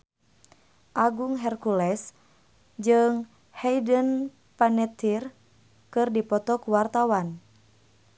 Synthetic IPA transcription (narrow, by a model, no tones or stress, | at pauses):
ʔaɡuŋɦɛrkulɛs | d͡ʒɨŋ | hɛjdən | panɛt̪ir | kɨrdipɔt̪ɔkuwart̪awan